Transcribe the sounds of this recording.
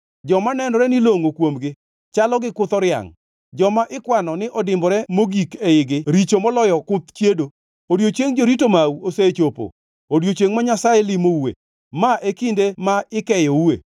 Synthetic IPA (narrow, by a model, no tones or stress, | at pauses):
d͡ʒɔmanɛnɔɾɛnɪloŋokwomɡɪ | t͡ʃalɔɡɪkʊt̪ɔɾja̰ŋ | d͡ʒɔmaʔɪkwanɔnɪʔɔdɪmbɔɾɛmoɡikeɪɡɪɾit͡ʃomɔlɔjɔkʊt̪t͡ʃjedo | odjot͡ʃeŋd͡ʒoɾitomauoset͡ʃopo̰ | odjot͡ʃeŋmaɲasajelimouḛ | maʔekindemaɪkɛjoue